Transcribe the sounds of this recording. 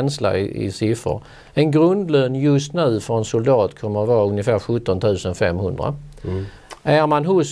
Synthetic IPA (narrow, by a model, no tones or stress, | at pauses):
ɛnsla̰ɪʔɪ̰sɪfɾə̰ɾ | ɛnɡɾɵnd̪løːnjɵst̪nʉ̟ːfœɾɛnsʊld̪ɑːt̪kʰɔmːəɾat̪vɑːɵŋjəfæːɾɧɵt̪ːɔnt̪ʰʉ̟ːsənfɛmːhɵnd̪ɾa̰ | ʔæɾmanɦʊs